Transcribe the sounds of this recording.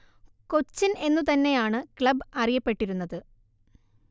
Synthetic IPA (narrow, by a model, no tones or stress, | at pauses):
ko̞t͡ɕːine̞nːut̪ɐnːe̞jaːɳɨkɭɐbɐrijɐpːe̞ʈːiɾunːɐðɨ